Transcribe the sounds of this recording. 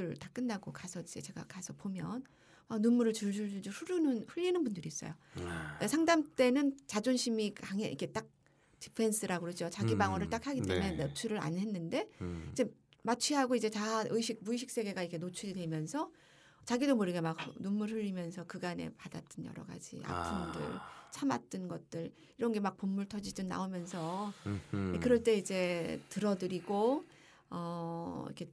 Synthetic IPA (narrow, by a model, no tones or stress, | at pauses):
ɯɭtak͈ɯnːaɡokasʰʌid͡ʑe̞t͡ɕe̞ɡa̰kasʰʌpomjʌ̰n | wak̚nunmːuɾɯɭt͡ɕuɭd͡ʑuɭd͡ʑud͡ʑuɸuɾunɯnɸɯʎːinɯnpundɯɾiːs͈ʌ̰joesʰaŋdamt͈e̞nɯnt͡ɕad͡ʑonɕʰimikaŋḛʔḭkʰe̞t͈ak̚ | ti̥pʰe̞ns͈ʰɯɾaɡoɦed͡ʑot͡ɕaɡibaŋʌɾɯɭt͈akhʰaɡit͈e̞muenep̚t͡ɕʰuɾɯɾa̰nɦe̞nːɯnde̞id͡ʑe̞mat͡ɕʰɥiɦaɡoid͡ʑe̞taʔɯiɕʰik̚muiɕ̬ʰik̚s͈e̞ɡe̞ɡaikʰe̞not͡ɕʰuɾidwe̞mjʌnsʰʌ | t͡ɕaɡidomoɾɯɡemak̚numːuɭɸɯʎːimjʌnsʰʌkɯɡane̞̰padat͈ɯnjʌ̰ɾʌ̰ɡa̰d͡ʑḭa̰pʰɯmdɯ̰ɭt͡ɕʰama̰t̚t͈ɯnɡʌt̚t͈ɯɾ | iɾʌnɡe̞mak̚pomːuɭtʰʌd͡ʑidɯnnːa̰omjʌnsʰʌ | ekɯɾʌɭt͈e̞id͡ʑe̞tɯɾʌdɯɾiɡo | ʌḭkʰe̞